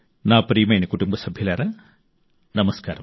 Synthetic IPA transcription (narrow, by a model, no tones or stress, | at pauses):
naːpɾiːmɐjnekuɽumbɐsɐbʱjɐlaːrɐ | nɐmɐskaːɾɐm